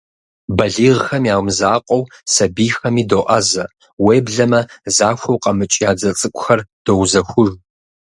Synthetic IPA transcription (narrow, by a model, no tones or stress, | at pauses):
bɐɮiːʁxɐmjaːwmzaːqʷʼɔwsɐbiːxɐmiːdoːʔɐzɐ | weːbɮɐmɐzaːxʷɐwqʼɐmɨt͡ʃʼijaːd͡zɐt͡sʼɨkʷʼʊxɐrd̥owzɐxʷʊʒ